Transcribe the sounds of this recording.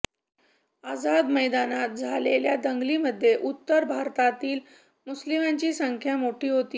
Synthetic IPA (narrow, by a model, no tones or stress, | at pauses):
ad͡zad̪məjd̪anat̪̚d͡zʱaleljad̪əŋɡliməd̪ʱːjeʔut̪ːəɾbʱaɾt̪at̪iːl | muslimaɲt͡ɕiːsəŋkʰjamoʈʰiːɦot̪iː